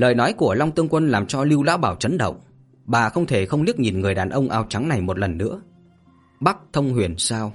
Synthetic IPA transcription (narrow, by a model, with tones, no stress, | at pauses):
ləː˨˩jnɔ˨˦jku˧˩əla˧wŋ͡mt̪ɨ˧ŋkwə˧nlaː˨˩mt͡ɕɔ˧li˧wla̰ː˧˥wɓaː˧˩wt͡ɕə˨˦nɗə̰˧˨wŋ͡m | ɓaː˨˩xə˧wŋ͡mt̪ʰe˧˩xə˧wŋ͡mli˦˥ək̚ɲi˨˩nŋɨ˨˩əjɗaː˨˩nʔə˧wŋ͡mʔaː˧˨˩wt͡ɕa˨˦ŋna˨˩jmo˨˩t̚lə˨˩nːɨ̰˧˥ə | ɓa˦˥k̚t̪ʰə˧wŋ͡mhwḭ˨˩ənsaː˧w